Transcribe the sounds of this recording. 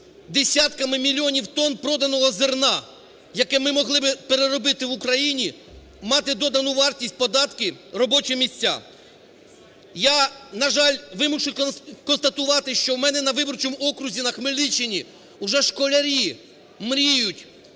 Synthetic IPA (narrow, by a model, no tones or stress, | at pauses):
d̪esʲat̪kɐmɪmʲilʲːiɔnʲiwt̪ɔnpɾɔd̪ɐnɔɦɔzɪrnɑ | jɐkɛmɪmɔɦlˠɪbɪpeɾeɾɔbɪt̪ɪʋʊkɾɐjinʲi | mɑt̪ɪd̪ɔd̪ɐnuʋɑrtʲisʲt̚ʲpɔd̪ɑt̪kɪrɔbɔt͡ʃɪmʲisʲt͡sʲːa̰ | janɐʒɑlʲʋɪmʊʃʊjkɔnst̪ɐt̪ʊʋɑt̪ɪʃt͡ʃɔwmɛnɛnɐʋɪbɔrt͡ʃɔmuɔkɾʊzʲinɐxmelʲit͡ʃɪnʲi | ʊʒɛʃkɔlʲɐɾʲi | mɾʲijʊtʲ